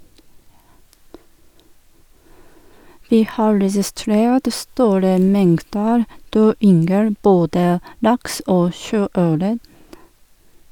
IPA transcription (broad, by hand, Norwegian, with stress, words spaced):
ˈʋiː ˈhɑː ɾɛsɪˈstɾeːt ˈstuːɾə ˈmɛŋtdəɾ ˈdøː ˈʏŋɡəl ˈboːdə ˈlɑks ˈoː ˈʃøːˌœɾə